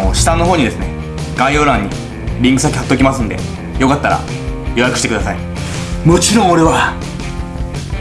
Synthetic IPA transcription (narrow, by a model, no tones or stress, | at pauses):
oɕi̥t̪ãnːo̞ɦoːɲ̟id̪e̞sɨne̞̰ | ɡ̥aioːɾãɲ̟ːḭ | ɾʲĩŋkɯ̟sakʲihat̪ːo̞kʲimasɨ̃nd̪e̞̰ | jo̞kat̪ːaɾa̰ | jo̞jakɯ̟ɕi̥t̪ekɯ̟d̪asai | mot͡ɕiɾõŋ̃o̞ɾe̞βa